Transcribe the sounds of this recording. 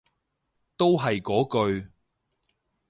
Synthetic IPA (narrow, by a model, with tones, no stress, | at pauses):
t̪o˥wɦɐ˨jkɔː˨˥kɵ˧ɥ